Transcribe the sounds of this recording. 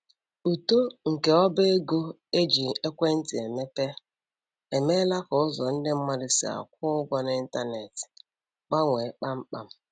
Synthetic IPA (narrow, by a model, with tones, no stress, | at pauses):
u˨to˦ŋ̩˨ke˨ɔ˦be˦e˦ɡo˦ | e˦d͡ʒi˨e˦kʷe˦n̩˦tɪ˨e˨me˦pe˦ | e˨me˦la˦kʊ˨ʊ˦zɔ˨n̩˦dɪ˦m̩˦ma˦dɪ˨sɪ̰˨a̰˨kʷʊ˦ʊ˦ɡʷɔ˦n˦n̩˦ta˦ne˨t | k͡pa˦ŋʷe˨˦k͡pa˦ŋ͡m̩˦k͡pa˦m̩˦